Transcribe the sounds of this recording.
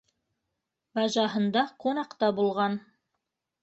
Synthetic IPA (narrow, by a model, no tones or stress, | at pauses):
bɑʒɑɦɤ̆nd̪ɑqunɑqt̪ɑbulˠʁɑn